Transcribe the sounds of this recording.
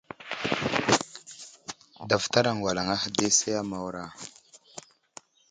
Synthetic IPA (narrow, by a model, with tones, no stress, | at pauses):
da˨vta˦ɾa˨ŋwa˨la˨ŋa˦hde˦sa˦ja˦ma˨wɾa˦